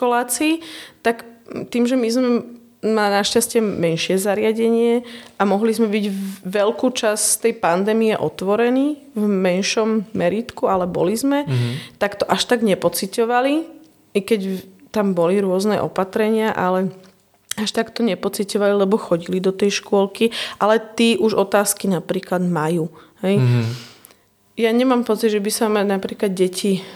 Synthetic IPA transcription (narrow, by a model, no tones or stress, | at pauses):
kɔlaːt͡siːt̪akt̪iːmʒɛmizmɛ | nanaʃcascɛmɛnʃɪɛzaɾɪaɟɛɲɪɛʔamɔɦlizmɛbiɟʋɛlkuːt͡ʃasst̪ɛjpand̪ɛːmiɛʔɔ̰t̪ʋɔɾɛniː | vmɛnʃɔmːɛɾiːt̪kualɛbɔ̰lizmɛt̪akt̪ɔʔaʃt̪aɡɲɛpɔt͡sicɔʋali | kɛɟt̪ambɔliɾʊɔznɛ̰ʔɔ̰pat̪ɾɛɲɪaʔalɛ | aʃt̪akt̪ɔɲɛpɔt͡sicɔʋalilɛbɔxɔɟilid̪ɔt̪ɛjʃkʊɔlkiʔalɛt̪iːʔuʒɔt̪aːskinapɾiːklad̪majuːhɛj | jaɲɛmaːmpɔt͡siɟʒɛbisamanapɾiːklad̪̚ɟɛcʰi